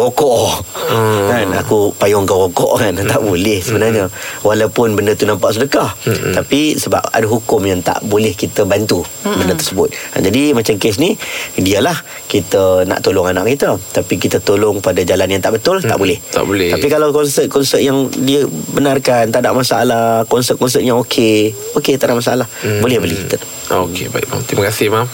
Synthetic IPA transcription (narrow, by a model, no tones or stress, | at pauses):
wokɔʔ | kana̰kupajɔŋkaɣɔkɔ̰ʔkant̪a̰ʔbulɛhsəbənarɲəwalawpʊnbəndət̪unampaʔsədəkaht̪apisəba̰p̚a̰dəɦukʊmjaŋt̪a̰ʔbolɛhkit̪əbant̪u | bəndət̪ərsəbʊt̪̚d͡ʒadimat͡ʃamkɪs̬nidiəlah | kit̪əna̰ʔt̪olʊŋana̰ʔkːit̪ət̪apikit̪ət̪olʊŋpadad͡ʒalanjaŋt̪aʔbət̪ʊlt̪aʔbolɛht̪a̰ʔbolɛht̪apikalawkɔnsət̪̚kɔnsət̪̚jaŋdiəbənarkant̪aʔdaʔmasaʔa̰lakɔnsət̪̚kɔnsəʔ̚jaŋokʰe | oket̪aʔdaʔmas̬aalahbolɛhbəlihkit̪ə | okḛbaiʔma̰mt̪imakasɪhmam